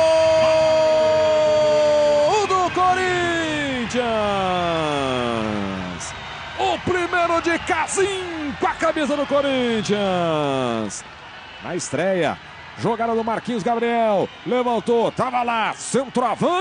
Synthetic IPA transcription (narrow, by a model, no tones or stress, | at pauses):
ʊd̪ʊkoɾĩ | t͡ʃiɐ̃ | s | ʊpɾimejɾʊd͡ʒɪkazĩkɐkabesɐd̪ʊkoɾĩt͡ʃiɐ̃ | s | nɐ̰ɪst̪ɾɛjɐ̰ | ʒoɡad̪ɐd̪ʊmaɾkĩɲʊzɡabɾiɛwlevɐ̃nt̪ot̪avɐlasẽnt̪ɾʊavɐ̃